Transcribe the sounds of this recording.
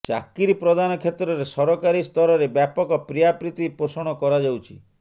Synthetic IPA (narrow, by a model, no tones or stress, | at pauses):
t͡ʃa̰kiɾipɾɔd̪anɔkʰet̪ɾɔɾesɔɾɔkaɾist̪ʰɔɾɔɾebjapɔkɔpɾijapɾit̪ipɾosɔɽ̃ɔkɔɾad͡ʒawt͡ʃʰi